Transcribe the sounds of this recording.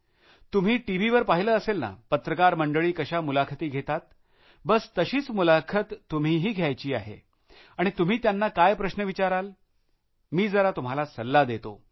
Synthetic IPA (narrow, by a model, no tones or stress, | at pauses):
t̪um̤iːʈiʋiʋəɾpaɦiləːəselna̰pət̪ɾəkaɾməɳɖəɭiːkəɕamulakʰət̪iːɡʱet̪at̪ | bəst̪əɕiːt͡smulakʰət̪ːum̤iɦiːɡʱjajt͡ɕiːa̰ɦḛ | aɽ̃it̪um̤iːt̪janːakajpɾəɕnəʋit͡ɕaɾal | miːd͡zəɾat̪um̤alasəlːad̪et̪o̰